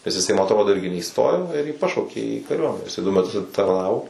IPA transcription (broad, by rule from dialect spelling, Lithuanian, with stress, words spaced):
nʲɛs ɪˈsɐɪ mɐ ɐtˈroːdoː ˈɪrʲɡʲɪ nʲɛiːˈstoːjoː ɪr jiː ˈpɑːʃɐʊkʲeː iː kɐˈrʲuɔmʲɛnʲɛ ɪˈsɐɪ dʊ mʲɛˈtʊs ɐtʲɪtɐrˈnɑːʋoː